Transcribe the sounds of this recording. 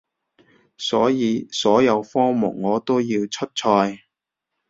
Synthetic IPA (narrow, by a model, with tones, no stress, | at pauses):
sɔː˨˥jiː˨˧sɔː˨˥jɐ˨˧wfɔː˥mʊ̰˨˩ŋ̚ŋɔː˨˧t̪o˥wjiː˧wt͡ʃʰɵ˥t̚t͡ʃʰɔː˧j